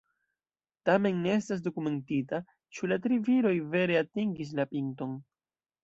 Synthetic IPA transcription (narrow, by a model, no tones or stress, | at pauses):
tame̞nːeestas̬do̞kume̞ntita | t͡ʃulatɾiviɾo̞jve̞ɾe̞atiŋɡis̬lapiŋto̞n